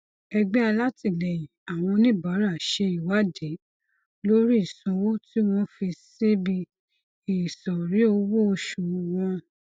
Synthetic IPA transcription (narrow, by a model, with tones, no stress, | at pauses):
ɛ˧ɡ͡bɛ˦a˧la˦ti˧˨lɛ˨jĩ˨a˨w̃ɔ̃˧nĩ˦˨ba˨˦ɾa˦˨ʃe˧i˨wa˨˦de˨˦ | lo˦ɾi˦i˦˨sɔ̃˨˧wo˦ti˦w̃ɔ̃˧fi˧si˦bi˧ | i˨sɔ˨ɾi˨˦o˧wo˦o˧ʃu˨˧wɔ̃˧